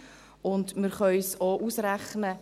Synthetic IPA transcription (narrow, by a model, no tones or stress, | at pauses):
ʊndmɪɾχœʏsoʔusɾæχnə